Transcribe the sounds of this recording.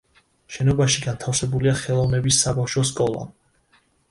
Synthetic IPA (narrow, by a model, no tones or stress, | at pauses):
ʃɛnɔbaʃiɡant̪ʰafsɛbuliaχɛlˠɔvnɛbisːabafʃɔs̬kʼɔlˠa̰